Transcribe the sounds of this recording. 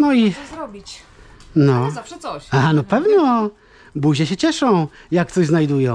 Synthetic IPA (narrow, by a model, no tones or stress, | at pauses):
nɔiɾɔbʲi | nɔaaanɔpɛvnɔ | buʑɛɕɛt͡ɕɛʂɔ̃w̃jak̚t̪ɔʑznajd̪ujɔ̃w̃